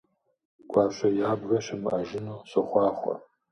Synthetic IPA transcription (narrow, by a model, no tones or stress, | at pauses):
kʷʼɑːɕʷɐjaːbɣɐɕɐmɨʔɐʒɪnuːsɐχʷɑːχʷɐ̰